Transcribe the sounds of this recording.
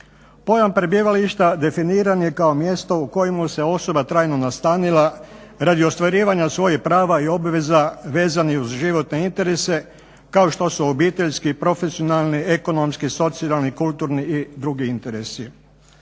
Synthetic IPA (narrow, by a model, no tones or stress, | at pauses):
po̞jampɾebiːʋaliʃt̪ad̪e̞finiːɾanje̞kao̞mje̞st̪o̞uko̞jimuse̞o̞so̞bat̪ɾaːjno̞nast̪aːnila | ɾad̪io̞st̪ʋaɾiːʋaɲasʋo̞jipɾaːʋaio̞bʋe̞zaʋe̞ːzaniuzʒiʋo̞t̪ne̞int̪e̞ɾe̞se̞ | kao̞ʃt̪o̞suobiːt̪e̞ʎskipɾo̞fesio̞nalˠnie̞ko̞no̞mskiso̞t̪sialnikulˠt̪uɾniid̪ɾuɡiint̪e̞ɾe̞si